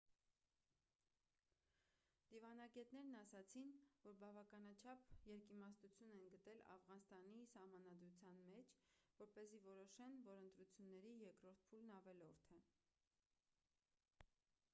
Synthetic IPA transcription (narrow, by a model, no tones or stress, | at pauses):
d̪̥ivɑnɑɡɛt̪nɛɾnɑsɑt͡sʰinvɔɾbɑvɑkɑnɑt͡ʃʰɑpʰjɛɾkimɑsnut͡sʰjunɛnɡət̪ɛlɑ̰fʁɑnst̪ɑnisɑhmɑnɑd̪ɾut͡sʰjɑnmɛt͡ʃʰvɔɾpɛzivɔɾɔʃɛnvɔɾənt̪ɾut͡sʰjunːɛɾijɛkɾɔɾt̪̚ʰpʰulnɑvɛlɔɾt̪ʰɛ